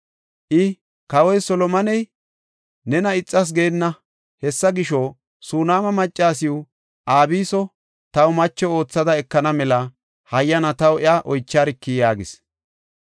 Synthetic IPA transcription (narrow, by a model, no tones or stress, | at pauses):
ʔɪ | kɐwɔjsɔlɔmɐnɛj | nɛnɐɪt͡sʼːɐs̬ɡe̞ːnːɐ | hɛsːɐɡɪʃɔ | suːnaːmɐmɐt͡ʃʼːaːsɪjʊ | ʔaːbiːsɔ | t̪ɐwʊmɐt͡ʃːɛo̞ːt͡sːɐd̪ɐɛkːɐnɐmɛlɐ | hɐjːɐnɐt̪ɐwɪaʔɔjt͡ʃːaːɾɪkːijaːɡɪs